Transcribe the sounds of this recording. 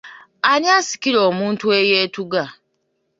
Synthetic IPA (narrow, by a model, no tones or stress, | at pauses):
aniasi̥kiɾoːmuːntuejeːtuɡa